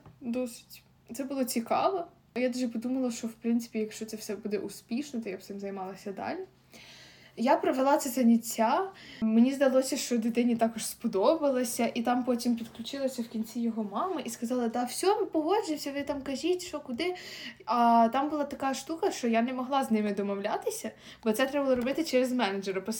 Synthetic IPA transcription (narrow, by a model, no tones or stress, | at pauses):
d̪ɔsʋʲitʲ | t̪sɛbʊlˠɔt͡sʲikɑ̰ʋɔ | ɔjad̪uʒɛpɔd̪umɐlˠɐʃt͡ʃɔwpɾɪnt̪ɪ̥pʲijɐkʃt͡ʃɔt̪sɛfsɛbud̪ɛʔuspʲiʃnɔt̪ɔjapsɪmzɐjmɑlˠɐsʲɐd̪ɑ̰lʲi | japɾɐʋelˠɑt̪sɛzɐnʲit͡sʲːamenʲizd̪ɐlˠɔsʲɐʃt͡ʃɔd̪ɪt̪ɪnʲit̪ɑkɔʒspɔd̪ɔbɐlˠɐsʲɐʔit̪ɑmpɔtʲimpʲid̪klʲʊt͡ʃɪlˠɐsʲɐwkʲinʲt͡sʲijɔɦɔmɑmɪʔiskɐzɑlˠɐd̪ɑwsʲɔmʊpɔɦɔd͡ʒɪwsʲɐʋ̪ɪt̪ɑmkɐʒʲitʲʃɔkʊd̪ɪɐt̪ɑmbʊlˠɑt̪ɐkɑʃt̪ukɐʃt͡ʃɔjanemɔɦlˠɑznɪmɪd̪ɔmɔwlʲat̪ɪsʲɐ | bɔt̪ɛt̪ɾɛbɐlˠɔɾɔbɪt̪ɪt͡ʃɛɾezmɛnɐd͡ʒeɾɐpɾɔ